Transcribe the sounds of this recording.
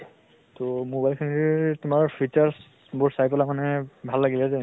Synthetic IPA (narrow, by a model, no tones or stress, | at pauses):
tɔmobajlkʰanitʊmaɹpʰitaɹs | bʊɹsajpɔlamanɛbʱalːaɡilɛzɛ